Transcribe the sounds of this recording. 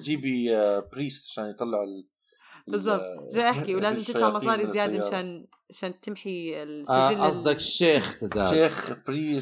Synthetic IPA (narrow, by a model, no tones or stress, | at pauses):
d͡ʒiːbibɾiːst̪ʕaʃaːnjt̪ˤɑlːɪʕɪl | bɪzˤːɑb̚t̪ˤʒaːʔɪħkiwlaːzɪmt̪ɪt̪faʕmɑsˤɑːɾizɪjaːd̪aaʃaːn | ʕaʃaːnt̪ɪmħilʔɑsˤd̪ɑkʃːeːxt̪ad̪a̰ːeːxbɾiː